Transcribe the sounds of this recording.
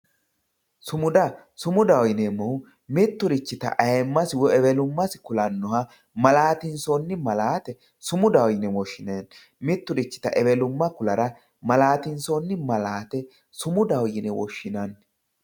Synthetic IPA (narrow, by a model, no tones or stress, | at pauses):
sʊmʊd̪ɐ | sʊmʊd̪ɐwjɪnemːɔ | mɪt̪ːʊɾɪt͡ʃːɪt̪ɐ̰ʔɐjɛmːɐsɪwɔɛbɛlʊmːɐsɪ̥kʊlɐnːɔhɐ | mɐlaːt̪ɪnsɔnːɪmɐlaːt̪ɛ | sʊmʊd̪ɐwjɪnɛwɔʃːɪneːn | mɪt̪ːʊɾɪt͡ʃːɪ̥t̪ɐ̰ʔɛbɛlʊmːɐkʊlɐɾɐ | mɐlaːt̪ɪnsɔnːɪmɐlaːt̪ɛ | sʊmʊd̪ɐwjɪnɛwɔ̰ʃːɪnɐn